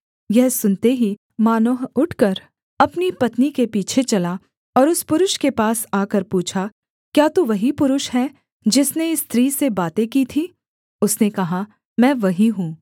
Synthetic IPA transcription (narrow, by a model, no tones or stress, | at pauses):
jɛɦsʊnt̪eɦi | maːnoːɦʊʈʰkɐɾ | ɐpnipɐt̪nikepiːt͡ʃʰet͡ʃɐla | ɔːɾʊspʊɾʊʃkepaːsaːkəɾpuːt͡ʃʰa | kjaːt̪oʋɐɦipʊɾʊʃɦɛː | d͡ʒɪsneɪst̪ɾiːsebaːt̪ẽkiːt̪ʰiː | ʊsnekɐɦa | mɛ̃ːʋɐɦiɦũː